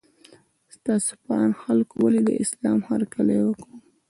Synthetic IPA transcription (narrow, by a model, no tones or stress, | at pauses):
st̪ɑso̥paɑnxalkowaled̪ə̰ʔɪslɑmhaɾkalawəkɽu